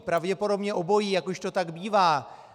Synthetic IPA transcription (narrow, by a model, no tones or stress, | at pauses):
pɾavɟɛpo̞do̞bɲɛʔo̞bo̞jijakoʃt̪o̞t̪aɡbiːvaː